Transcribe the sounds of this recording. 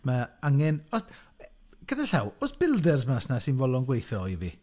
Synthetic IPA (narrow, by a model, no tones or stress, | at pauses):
maaŋɛnɔs | ɡ̥ədaɬawosb̥ɪlˠdɛrsmasnasɪnvɔlˠɔnɡwejθɔivḭ